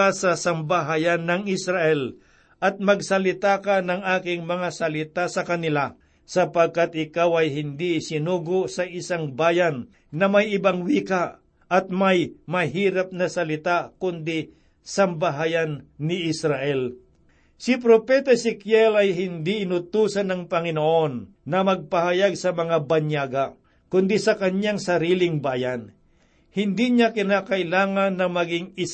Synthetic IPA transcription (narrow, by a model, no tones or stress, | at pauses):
asɐsɐmbaɦajanːɐŋɪsɾaʔɛl | ʔɐt̪̚mɐɡsɐlɪt̪akanɐŋaːkɪŋmɐŋasɐlɪt̪asɐkɐnɪla | sɐpɐɡ̚kat̪ʔɪkawɐjɦɪnd̪isɪnuːɡoʔsɐʔɪsaŋbaːjɐnː | ɐmɐjɪbaŋwiːka | ʔɐt̪̚majmɐɦiːɾɐp̚nɐsɐlɪt̪akʊnd̪ɪ | sɐmbaɦajɐnːɪʔɪsɾaʔɛl | sɪp̬ɾopɛt̪asɪkjɛlɐjɦɪnd̪iɪnʊt̪uːsɐnɐŋpɐŋɪnoʔonː | ɐmɐɡ̚pɐhajaɡ̚sɐmɐŋabɐɲjaːɡa | kʊnd̪isɐkɐɲɲaŋsɐɾiːlɪŋbaːjan | hɪnd̪iɲakɪnakɐʔɪlaːŋɐnːɐmɐɡɪŋɪ